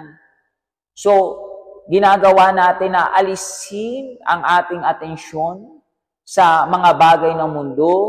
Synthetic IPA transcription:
n | so̞ɡɪnaːɡɐwanaːt̪ɪnːɐʔɐlishinɐ̰ŋʔaːt̪ɪŋɐt̪ɛnʃo̞n | sɐmɐŋabaːɡɐjnɐŋmʊnd̪o

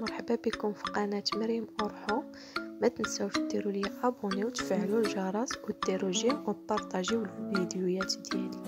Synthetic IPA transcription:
mɑɾˤħəbabikʊmfi̥qɑnæt̪məɾəmʔoɾˤħu | mæt̪ənsæwfid̪iɾuljæʔæbuniwt̪fəʕlulʒɑɾˤɑswəd̪ːiɾuʒimwəlpːɑɾˤt̪ˤɑʒiwəlvid̪jujæt̪d̪jæ̰li

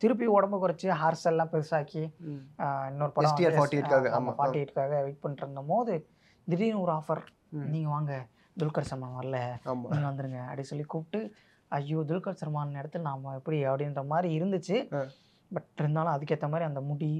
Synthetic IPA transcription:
t̪ɪɾɯp̬ːiɔɽɐmbɯkʊɾɐt͡ʃːɯɦaːɾsɛlːãːpɛɾɯsaːki | ɪnːoɔɾɯpɐɽɐ̃faːʈieʈkaːɣɐa̰ːmafaːɾʈːiɛʈːkaːɣɐʋɐɪʈ̚pɐɳːɪɾɯnd̪ɐpoːðɯ | d̪ɪɽinuːɾaːfɐɾ | niːŋɡɐʋaːŋɡɐ | d̪ʊlkɐɾsɐɾmaːʋɐɾlɐaːmiːŋɡɐʋɐnd̪ɯɾɯŋɡɐɐ̰ɽisɔlːikuːpʈːɯ | ɐjːod̪ʊlkɐɾsɐɾmaːnɐɪɽɐt̪ːɯlnaːmɐɛpːɐɽiɐpːɐɽɪnɾɐmaːd̪ɾiɪɾɯnd̪ɯt͡ʃːɯ | bɐʈɪɾnd̪aːlɐ̃ɐðɯkːɯɛt̪ːɐmaːd̪ɾiɐnd̪ɐmʊɽi

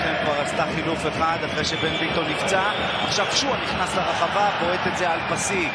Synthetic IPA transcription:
χemkvaʁast̪aχilufe̞χad̪afʁejʃe̞be̞nbit̪o̞nːikt͡sa | aχʃavʃuaniχnasleʁeχavabo̞et̪et̪ze̞alpasiɡ

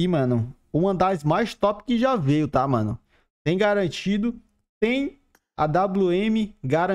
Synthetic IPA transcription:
imɐ̃nɐ̃ | umɐ̃d̪ajzmajst̪ɔpɪ̥kɪʒavejʊt̪amɐ̰̃nʊ̰̃ | t̪ẽj̃ɡaɾɐ̃t͡ʃid̪ʊ | t̪ẽj̃ | ɐ̰d̪abuẽmɪɡaɾɐ̃

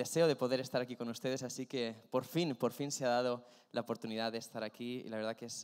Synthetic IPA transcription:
dese̞oð̞epo̞ðe̞ɾe̞st̪aɾakiko̞nust̪e̞ðe̞sasike̞po̞ɾfinpoɾfinseaðað̞o̞ | lʔaopo̞ɾt̪uniðaðest̪aɾakiḭlaβeɾð̞akes

